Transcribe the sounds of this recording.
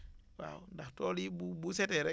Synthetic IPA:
wa̰undaktolibubuseteɾe

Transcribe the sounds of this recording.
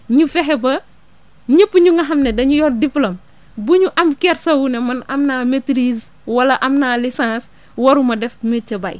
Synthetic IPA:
ɲufɛɦɛbɐ | ɲəpːuɲuŋɡɐɦɐmnɛdɐɲujɔːndiplom | buɲuʔɐmkɛɾsɐwunɛmɐnɐmnaːmetɾiz | wɐlɐʔɐmnaːlisãːs | wɐɾumɐdɛfmecɐbɐj

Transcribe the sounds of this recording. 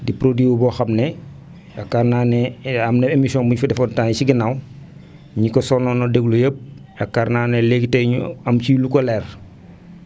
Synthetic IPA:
dipɾodwiwubɔːxamnɛ | akːaɾnanɛamnɛemisiɔːnbuɲfudɛfɔntansiɡinaw | ɲikɔsɔnɔːnɔdeɡlujəp̚ | akːaɾnaːnɛleɡteɲuamt͡ʃilukɔlɛɾ

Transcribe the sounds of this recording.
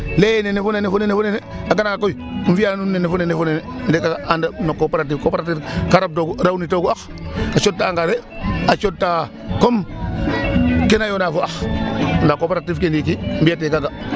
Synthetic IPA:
lejenenefunenefunenefuneneaɡanakakojiɱ̩fianunːenefunenefunenendekaɡaandanokːopeɾat̬ifkopeɾatifkaɾab̚doɡuɾawnitoɡuax | kat͡ʃod̚tːaːŋɡaɾe | at͡ʃod̚tːa | kom | kenajonafuaxndakopeɾatifkendikimbiatekaɡa

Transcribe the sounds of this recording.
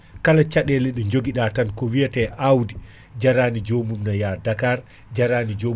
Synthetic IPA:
kalat͡ʃaɗɛlɛɗɔɲd͡ʒoɡiɗatankɔwijatɛʔawdi | d͡ʒaɾaːnid͡ʒomumnajadakaɾ | d͡ʒaɾaːnid͡ʒo

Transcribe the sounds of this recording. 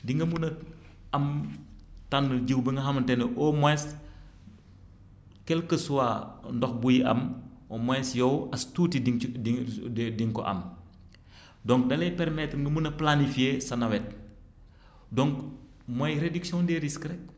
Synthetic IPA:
diŋɡɐmunɐ | ɐm | tanːəɟiwbəŋɡɐɦɐmɐntɛnɛʔɔmɔɛs | kɛlkəsuwandɔxbujiʔɐ̰mɔmɔɛsjɔwɐstutidiidiŋkɔ̰ʔɐ̰m | dɔŋk̚dɐlɛjpɛɾmɛtŋɡɐmunɐplanifijesɐnɐwɛt̚ | dɔŋk | mɔjɾediksiɔ̃ndɛɾiskɾɛk̚

